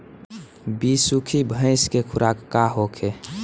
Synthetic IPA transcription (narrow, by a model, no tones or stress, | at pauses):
bisukʰibʱə̃ɪ̃skekʰʊɾakːaɦokʰe